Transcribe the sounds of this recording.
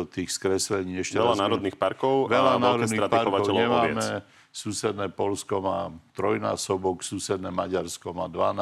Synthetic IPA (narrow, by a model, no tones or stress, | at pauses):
t̪iːxskɾɛslɛɲiːɛʃcɛɛlanaːɾɔdd̪niːxpaɾkɔʊʋɛlanaːɾɔɛd̪niɾatpaɾɔkaɔʊɛlɲɛmaɛmɛ | suːsɛd̪nɛːpɔʎskɔmaːt̪ɾɔjna̰ːsɔbɔksuːsɛd̪nɛːmaɟaɾskɔmaːd̪ʋana